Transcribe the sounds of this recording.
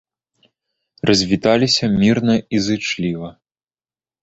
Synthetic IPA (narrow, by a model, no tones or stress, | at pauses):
rʔɐzʲvʲit̪alʲisʲɐmʲirnɐizɨt͡ʂlʲivɐ